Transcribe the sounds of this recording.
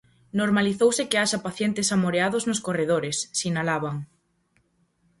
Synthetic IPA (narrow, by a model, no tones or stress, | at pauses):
noɾmaliθowsɪkeaʃapaθjent̪ɪsamoɾeaðʊznʊskoreð̞oɾesːinalaβaŋ